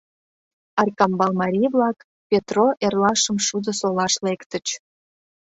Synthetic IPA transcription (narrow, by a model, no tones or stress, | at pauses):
ɑrkɑmbɑlmɑɾʲijβlɑk | pʲet̪roʔerlɑʃəmʃud̪ə̆solɑʃlekt̪ə̆t͡ɕ